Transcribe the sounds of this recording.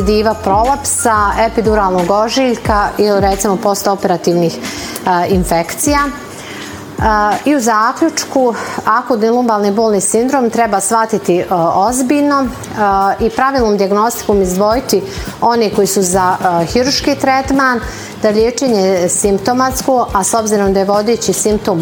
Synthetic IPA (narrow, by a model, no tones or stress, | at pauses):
d̪iːʋapɾo̞lˠapsaepid̪uɾaːlˠnoɡoʒiʎkailiɾɛt̪simopo̞st̪opeɾat̪iːʋniːx | infekt̪sijaː | iuzaːkʎʲut͡ʂkuakud̪nilˠumbalˠniboːlˠniːsind̪ɾoːmt̪ɾɛbaːsʋat̪it̪iozbiːʎno̞ | ipɾaʋiːlˠnoːmd̪iaɡno̞st̪i̥komizd̪ʋo̞jit̪io̞niko̞jisuzaxiɾuɾʃkiːt̪ɾet̪maːn | d̪aʎeːt͡ʃe̞ɲesimpt̪o̞mat̪skoʔaso̞bziɾo̞md̪ajeʋo̞d̪et͡ɕisimp̚t̪oːm